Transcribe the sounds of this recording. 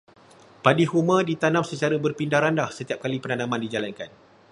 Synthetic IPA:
padihumə̃dit̪anãmsət͡ʃaɾəbərpindahɾandahsət̪iap̚kalipənanãmãndid͡ʒalankan

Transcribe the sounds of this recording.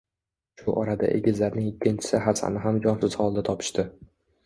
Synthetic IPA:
ʃʊʔɒɾad̪a̰ʔḛɡʲɪzlaɾnɪŋɪkʲʰːɪnt͡ʃʰɪ̥sɪɦasa̰nɪɦamd͡ʒɒnsʊz̥hɒlˠd̪at̪ʰɒpʰɪ̥ʃt̪ɪ

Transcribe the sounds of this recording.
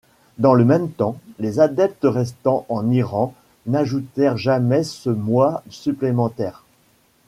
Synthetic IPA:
d̪ɑ̃ləmɛmt̪ɑ̃lezad̪ɛp̚t̪əʁɛs̬t̪ɑ̃ʔɑ̃niʁɑ̃ | naʒut̪ɛʁʒamɛsəmwasyplemɑ̃t̪ɛːʁ

